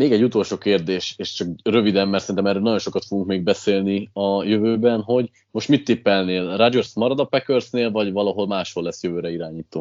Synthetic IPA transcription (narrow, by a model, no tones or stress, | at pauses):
meːɡɛɟːut̪o̞lʃoːkeːrd̪eːʃeːʃt͡ʃɒkrø̞vid̪ɛmːɛrt̪sɛɾint̪mɛrɾøːlnɒɟo̞nʃo̞kɒt̪fo̞ɡuŋkmeːɡ̚bɛseːlniɒjøvøːbɛnɦo̞ɟ | mo̞ʃt̪mit̪ːiːpːɛlneːlrad͡ʒorsmɒɾɒd̪ɒpɛkørsneːlvɒɟvɒlɒɦo̞lmaːʃho̞lːɛsːjøvøːɾɛiɾaːɲiːt̪oː